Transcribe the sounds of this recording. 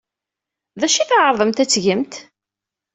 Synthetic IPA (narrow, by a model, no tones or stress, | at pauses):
ðæʃiθʁəɾˤðˤəmt̪æt͡sːʝəmt̪